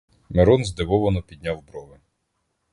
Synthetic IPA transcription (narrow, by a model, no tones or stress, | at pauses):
meɾɔnzd̪eʋɔʋɔnɔpʲid̪ʲnʲawbɾɔʋɪ